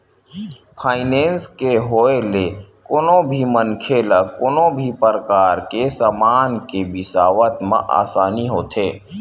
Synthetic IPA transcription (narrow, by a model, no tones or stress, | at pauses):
pʰaːɪnẽːnskeɦoːelekonõbʱimənkʰeːlakonõbʱipəɾəkaːɾkesaːmaːnkebɪsaːʋət̪mã̰ʔa̰ːsaːniɦoːt̪ʰeː